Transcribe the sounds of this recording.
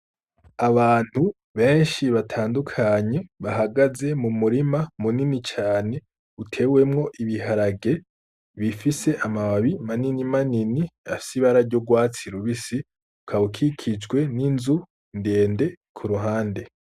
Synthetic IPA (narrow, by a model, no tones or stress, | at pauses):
aβaːn̥hu | βe̞ːnʃiβatʰaːndukʰaɲe̞βaɦaɡaze̞mumuɾimamuninit͡ʃaːne̞ | utʰe̞we̞mŋo̞ʔiβiɦaɾaɡe̞ | βifise̞ʔamawaβimaninimaniniafi̥siβaɾaɾɟo̞ɡwaːt͡siɾuβisi | ukʰaβukʰikʰid͡ʒɡwe̞ninzu | nde̞ːnde̞ | kʰuɾuɦaːnde̞